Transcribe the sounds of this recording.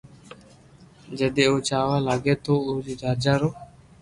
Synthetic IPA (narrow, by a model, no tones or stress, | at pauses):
d͡ʒəd̪eːoːt͡ʃaːʋaːlaːɡeːt̪oːoːd͡ʒiːɾaːɾd͡ʒaːɾoː